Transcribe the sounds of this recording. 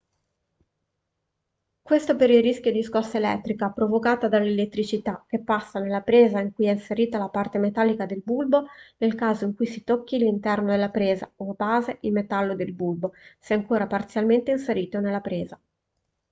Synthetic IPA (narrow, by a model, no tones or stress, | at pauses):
kwest̪opeɾilrːiskjod̪iskɔsːaelɛ̰t̪ːɾikapɾovokaːt̪ad̪alːelet̪ːɾit͡ʃit̪ak̟ːepːasːanelːapɾeːzaiŋkujɛinseɾiːt̪alapart̪emet̪alːikad̪elbulbonelkaːzoiŋkujsit̪okːilːint̪ɛrnod̪elːapɾeːza̰obaːzeʔilmet̪alːod̪elbulbosɛaŋkoːɾapart̪sjalment̪einseɾiːt̪onelːapɾeːza